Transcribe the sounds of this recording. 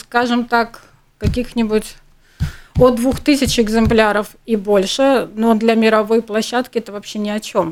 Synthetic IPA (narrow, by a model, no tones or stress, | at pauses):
skaʐɨmt̪ak | kɐkʲixnʲɪbʊtʲ | od̪vuxt̪ɨsʲɪt͡ɕɪɡzɨmplʲaɾəf | ibo̞lʲʂɨnod̪lʲɐmʲɪɾɐvo̞jplˠɐɕːat̪kʲɪɛt̪əvɐpɕːenʲɪɐt͡ɕo̞m